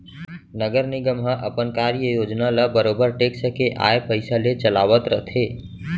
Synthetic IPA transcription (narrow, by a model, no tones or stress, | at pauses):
nəɡəɾnɪɡəmɦə̃ʔəpənkaɾjəjoːd͡ʒnaləbəɾoːbəɾʈeːksəkeʔa̰ːepəɪsalet͡ʃəlaːʋət̪ɾəɦt̪ʰeː